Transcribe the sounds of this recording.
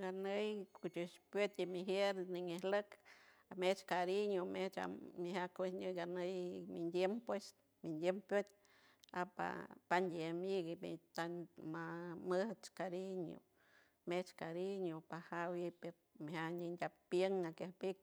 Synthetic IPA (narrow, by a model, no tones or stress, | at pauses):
ɡanəjkut͡ʃuʃpot̪ʲimiɦjeɾniŋehlək | amet͡ʃkaɾiɲomeht͡ʃa̰miɦakesɲɨɡanəjmind̪jempwes | mind̪ʲjempjot̪̚ʲ | a̰pa̰pand̪ʲiamiɡimit̪anmaməht͡ʃkaɾiɲo̰ | met͡ʃkaɾiɲopahawipeɾ | miɦaɲindʲapːjəŋakahpik̚